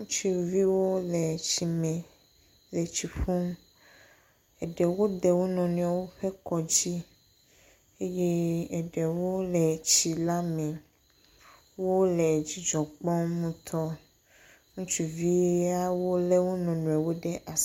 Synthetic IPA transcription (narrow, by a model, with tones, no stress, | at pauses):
ŋũ˦t͡ʃi˦˨vi˦wo˦le˨t͡ʃi˨mɛ̃˨ | le˨t͡ɕi˨ɸu˦m | ɛ˨ɖɛ˨wo˦d̪ɛ˨wo˦nɔ̃˨nũ˨a˨wo˦ɸe˦kɔ˨d͡ʑi˦ | e˦je˦ɛ˨ɖe˨wo˦lɛ˨t͡ɕi˨la˦mɛ̃˨ | wo˦lɛ˨d͡ʑi˦d͡ʒɔ˨k͡pɔ˦mũ˦t̪ʰɔ˦ | ŋũ˦t͡ʃi˨vi˦a˦wo˦le˦wo˦nɔ̃˨nũ˨e˨wo˦ɖɛ˦ʔa˨s